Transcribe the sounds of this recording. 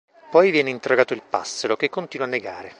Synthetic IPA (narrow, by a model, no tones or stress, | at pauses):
pɔjvjɛːneint̪eroɡaːt̪oilpa̰sːeɾokekːont̪iːnwanːeɡa̰ːɾe